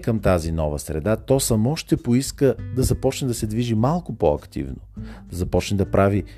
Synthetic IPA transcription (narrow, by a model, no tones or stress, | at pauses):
kəmt̪azinɔvəsɾɛ̰d̪at̪ɔsɐmɔʃt̪ɛpoiskəd̪ɐzɐpɔt͡ʃnɛd̪ɐsɛd̪viʒimalˠkʊpɔɐ̰kt̪ḭvno̰d̪̥ɐzɐpɔt͡ʃnɛd̪ɐpɾʔavi